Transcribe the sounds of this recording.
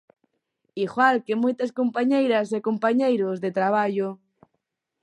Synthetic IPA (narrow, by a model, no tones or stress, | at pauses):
iɣwalkemojt̪ɐskompaɲejɾɐsekompaɲejɾozðet̪ɾaβ̞aʎo